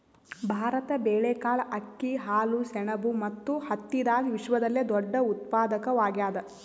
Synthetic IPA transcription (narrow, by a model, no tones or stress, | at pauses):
bʱaːɾɐt̪ɐbeːɭeːkaːɭɐkːiɦaːlusɛɳɐbumɐt̪ːuhɐt̪ːid̪aːɡiʋiʂʋɐd̪ɐlːed̪ɔɖːɐut̪̚paːd̪ɐkɐʋaːɡjaːd̪ɐ